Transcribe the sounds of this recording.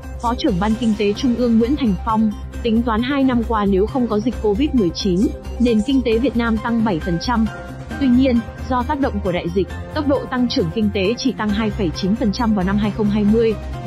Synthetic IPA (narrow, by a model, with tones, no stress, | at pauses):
fɔ˨˦t͡ɕɨ˧˩əŋɓaː˧nkï˧ŋ̟t̪e˨˦t͡ɕʊ˧ŋ͡mʔɨ˧əŋːwḭ˧˥ənt̪ʰa˨˩jŋ̟fa˧wŋ͡m | t̪ï˨˦ŋ̟t̪waː˨˦nɦaː˧jna˧mkwaː˧ne˨˦wxə˧wŋ͡mkɔ˨˦zï˨˩k̟ko˧vi˦˥t̚mɨ˨˩əjt͡ɕi˨˦nne˧˩nkï˧ŋ̟t̪e˨˦vi˨˩ət̚naː˧mt̪a˧ŋɓə˧˩jfə˨˩nt͡ɕa˧m | t̪wi˧ɲi˧ən | zɔ˧t̪aː˦˥k̚ɗə̰˧˨wŋ͡mku˧˩əɗa̰ː˧˨jzï˨˩k̟̚t̪ə˦˥k͡p̚ɗo̰˧˨t̪a˧ŋt͡ɕɨ˧˩əŋkï˧ŋ̟t̪e˨˦t͡ɕi˧˩t̪a˧ŋɦaː˧jfə˧˩jt͡ɕi˨˦nfə˨˩nt͡ɕa˧mvaː˨˩wna˧mɦaː˧jxə˧wŋ͡mɦaː˧jmɨ˧əj